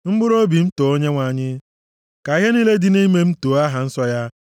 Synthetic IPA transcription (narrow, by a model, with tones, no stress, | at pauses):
m̩˦ɡ͡bʊ˦ɾo˦bi˨m̩˦to˨o˦ɲe˦ŋʷa˨ɲɪ˦ | ka˨i˦ɦe˦ni˦le˦dɪ˦ni˦me˦m̩˦toː˨˦a˦ɦa˨n̩˦sɔ˦ja˦